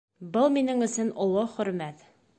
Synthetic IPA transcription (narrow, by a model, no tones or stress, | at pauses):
bɤlˠminɘŋɵ̆sɘnŏlˠɤχɵ̆ɾmæt̪